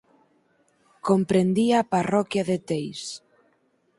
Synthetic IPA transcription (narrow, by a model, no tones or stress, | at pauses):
kompɾend̪iaːparɔkjaðet̪ejs